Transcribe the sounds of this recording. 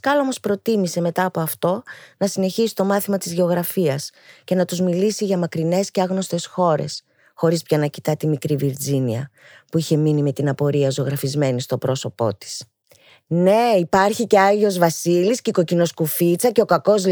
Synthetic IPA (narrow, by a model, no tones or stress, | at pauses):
skɐlo̞mo̞spɾo̞t̪imise̞me̞t̪ɐːpo̞ɐft̪o̞nɐsine̞çisi̥t̪o̞mɐθimɐt̪izʝe̞o̞ɣɾɐfiɐs | ce̞nɐt̪uzmilisiʝɐmɐkɾine̞sceɐɣno̞st̪e̞sxo̞ɾe̞̰s | xo̞ɾispçɐnɐci̥t̪ɐt̪imikɾiviɾd͡ziniɐ | puiçe̞minime̞t̪inɐpo̞ɾiɐzo̞ɣɾɐfizme̞nist̪o̞pɾo̞so̞po̞̰t̪i̥s | ne̞ipɐɾçice̞ɐʝio̞zvɐsilisceko̞cino̞skufit͡sɐce̞o̞kɐko̞z